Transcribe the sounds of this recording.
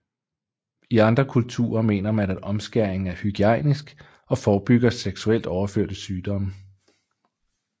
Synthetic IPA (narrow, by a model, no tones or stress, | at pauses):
iɑ̈nd̥ʁɐkʰult͡sʰṵːɐme̝̰ːnɐmænæd̥ɒ̽msɡ̥æɐ̰eŋ̩æɐhyɡ̥iæɪnisɡ̥ | ɒ̽fɒːb̥yɡ̥ɐseɡ̥suel̰d̥ɒʊɐføɐ̰d̥əsyːd̥ɒ̽mə